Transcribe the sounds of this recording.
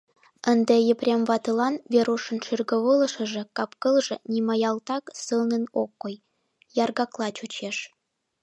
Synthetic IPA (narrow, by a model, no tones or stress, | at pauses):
ənd̪ĕjə̆prʲemvɑt̪ɤlɑnβeɾuʃə̆nʃyrɣə̆βɤlɤ̆ʃə̆ʒĕkɑpkɤlʒĕnimɑjɑlt̪ɑksɯlnə̆nokːoj | jɑrɣɑklˠɑt͡ɕut͡ɕeʃ